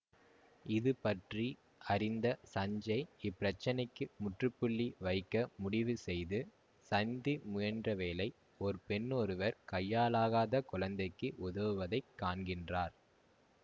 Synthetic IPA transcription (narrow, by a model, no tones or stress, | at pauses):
ɪðɯpɐʈri | ɐɾɪnd̪ɐsɐɲd͡ʒɐɪɪpːɪɾɐt͡ʃːɐnɐɪkːɯmʊʈrɯpːɯɭːiʋɐɪkːɐmʊɽɪʋɯsɛjðɯ | sɐnd̪imʊjɐndrɐʋeːlɐɪ | ɔɾɯpɛnːɔɾɯʋɐɾkɐjːaːlaːɣaːðɐkʊɻɐnd̪ɐɪkːɯʔʊðɐʋɯʋɐðɐɪkːaːnɡɪndraːɾ